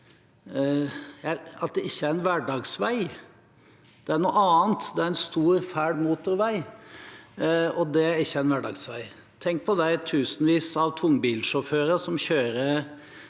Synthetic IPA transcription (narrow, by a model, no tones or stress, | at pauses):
jæɑt̪̚d̪ɛɪçːəæɾɛnʋæɖɑːɡsʋæɪ | d̪̥ɛæɳuːʔɑːnt̪d̪ɛæɾɛnst̪uːɾfæːɖmuːt̪ʊɾʋæɪ | ɔd̪ɛæɾɪçːəæɛnʋæɖɑ̰ɡsʋæɪ | t̪ʰɛŋk̚pʰɔd̪æɪt̪ʰʉːsənʋiːsɑʋt̪ʰʊŋːbiːlʂɔføːɾəsɔmçøːɾəɾ